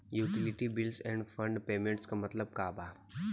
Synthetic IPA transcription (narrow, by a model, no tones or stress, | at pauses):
juːʈɪlɪʈibɪlsɛ̃ːɳɖfɐ̃ɳɖpeːmẽɳʈskamɐt̪ləb̚kaːbaː